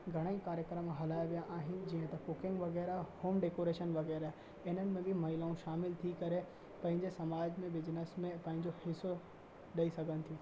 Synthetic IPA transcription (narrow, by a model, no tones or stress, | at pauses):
ɡʱɐɽ̃əĩkaːɾjəkɾəmɦɐlaːjʋijaʔaːɦɪnɪ̆d͡ʑiːɦə̃t̪ɐkʊkɪ̃ŋɡʋɐɣɛːɾahoːmɖeːkoːɾeːʃənʋɐɣɛːɾaɦ | ɪnənɪ̆mẽbʱɪmɐɦilaːũʃaːmɪlt̪ʰikɐɾe | pɐ̃ɦɪ̃ɲd͡ʑesɐmaːd͡ʑmẽʋɪd͡ʑnəsmẽpɐ̃ɦɪ̃ɲd͡ʑohɪso | ɗɐisɐɡʱənɪ̆t̪ʰijũː